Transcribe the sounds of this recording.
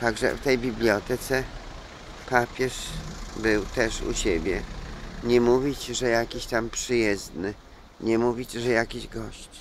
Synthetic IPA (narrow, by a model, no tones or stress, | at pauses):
t̪aɡʐɛ̰ft̪ɛjbʲiblʲjɔt̪ɛt̪sɛ | papʲjɛʂbɘwt̪ɛʂṵɕebʲjɛɲɛmuvʲit͡ɕʐɛjakʲiɕt̪ampʂɘjɛzd̪nɘ | ɲɛmuvʲit͡ɕʐɛjakʲiʑɡɔɕt͡ɕ